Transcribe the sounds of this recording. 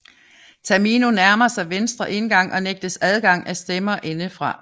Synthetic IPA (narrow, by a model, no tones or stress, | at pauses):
t͡sʰæɐminonæɐmɐsɑ̈ɪʋensd̥ʁɐʔe̝nɡ̥ɑ̈ŋ̰ʔɒ̽neɡ̥̚d̥əsæð̞ˠɡ̥ɑ̈ŋ̰æsd̥emɐʔe̝nəfʁɑ̈